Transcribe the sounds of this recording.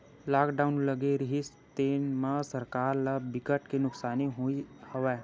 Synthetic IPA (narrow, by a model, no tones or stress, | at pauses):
laːkɖaːʊnlɐɡeɾiɦis | t̪eːnmãsɐɾkaːɾlabɪkəʈkenʊksaːniɦoihɐʋɛː